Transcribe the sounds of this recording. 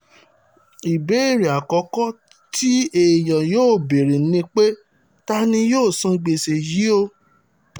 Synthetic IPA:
i˨be˨˦˨ɾi˨a˨kɔ˨˦kɔ˦ | ti˦e˦˨j̃ã˨joː˦˨be˨ɾi˨˦nĩ˧k͡pe˦ | ta˧nĩ˧joː˦˨sũ˧ɡ͡be˨se˨ji˨˦o˧

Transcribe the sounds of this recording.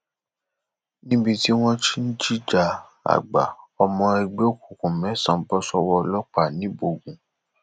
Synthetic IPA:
nĩ˦bi˧ti˦w̃ɔ̃˦ti˦n̩˦d͡ʒi˦d͡ʒa˨ | a̰˨ɡ͡ba̰˨ɔ˧mɔ̃˧e˧ɡ͡be˦o˦˨ku˨kũ˨mɛ̃˨˦sã˨˦bɔ˦sɔ˧wɔ˧lɔ˦k͡pa˦˨nĩ˨˦bo˦˨ɡũ˨

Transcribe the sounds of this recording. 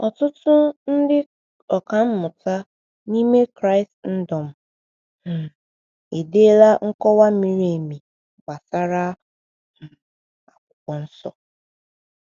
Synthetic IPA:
ɔ˨tʊ˦tʊ˦n̩˦dɪ˦ | ɔ˨ka˨m̩˦mʊ˨ta˦ | ni˦me˦kɾa˦ɪ˨stn̩˦dɔ˨m̩˦ | na˨ | e˨de˦la˦ŋ̩˦kɔ˦wa˦mi˦ɾi˦e˨mi˨ | ɡ͡ba˨sa˦ɾa˦ | m̩˨ | a˨kʷʊ˨kʷɔ˨n̩˦sɔ˨

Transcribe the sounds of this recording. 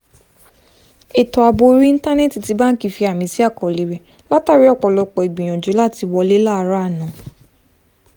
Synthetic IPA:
e˨tɔ˨a˨bo˧˦ɾĩ˦n̩˦ta˦ne˦˨ti˨ti˨˧ba˦n̩˦ki˧˦fi˧a˨mĩ˧˦si˦a˦˨kɔ˨li˨˦ɾɛ˦˨ | la˦ta˦˨ɾi˨˦ɔ˦˨k͡pɔ˨lɔ˧k͡pɔ˨i˨ɡ͡bĩ˨j̃ɔ̃˨d͡ʒo˨˦la˦˨ti˧wɔ˧le˦la˦˧ɾa˦˨nã˨˦

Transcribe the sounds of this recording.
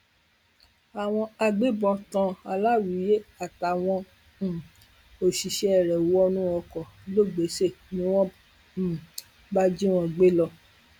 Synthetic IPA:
a˨w̃ɔ̃˧a˧ɡ͡be˦bɔ̃˧tã˧˦a˧la˦wu˨˦je˦a˨ta˨w̃ɔ̃˧˨ | o˨ʃi˨ʃɛ˧ɛ˨ɾɛ˨wu˨˦ɔ˧nũ˦ɔ˧kɔ˨lo˦˨ɡ͡be˨˦se˦˨nĩ˦w̃ɔ̃˦˨ | ba˦d͡ʒi˦w̃ɔ̃˧ɡ͡be˦lɔ˧

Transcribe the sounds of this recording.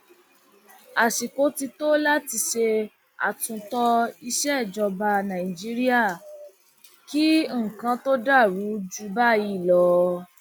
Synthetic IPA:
a˨ʃi˨ko˨˦ti˧to˦la˦ti˧ʃe˧ | a̰˨tũ˨˧tɔ˧i˧ʃɛ˦˨d͡ʒɔ˧ba˧nã˨ĩ˨d͡ʒi˦ɾi˦a˦˨ | ki˦ŋ̩˨kã˧to˦da˦˨ɾu˨˦d͡ʒu˧˦ba˦ji˦˨lɔ˧

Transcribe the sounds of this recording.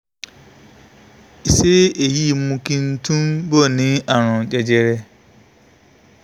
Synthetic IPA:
i˨se˦e˨ji˦˨˦mũ˦kĩ˦n̩˦tʰũ˦mbo˦˨nĩ˦a˨ɾ̃ʊ̃˨d͡ʒɛ˨d͡ʒe˦ɾe˦

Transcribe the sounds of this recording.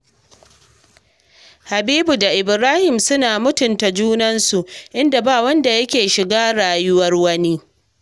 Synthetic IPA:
ha˨biː˦bu˨da˨ʔɪ˨bɾaː˦hɪ˨msʊ˦naː˨mʊ˦tʊ˨nta˨d͡ʒuː˦nɐ˦nsu˨ʔʔɪ˦nda˨baː˦˨wɐ˦nda˨jɐ˦kʲeː˨ʃɪ˨ɡaː˦ɽaː˨jʊ˦wɐ˦rwɐ˦ni˦

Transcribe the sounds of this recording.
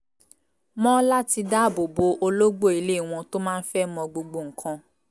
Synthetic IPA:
mɔ̃˦la˦ti˧da˦˨bo˨bo˧ʔo˧lo˦ɡ͡bo˦˨i˨le˦˨w̃ɔ̃˧to˦mãː˦n̩˦fɛ˦mɔ̃˧ɡ͡bo˧ɡ͡bo˨ŋ̩˨kʰã˧

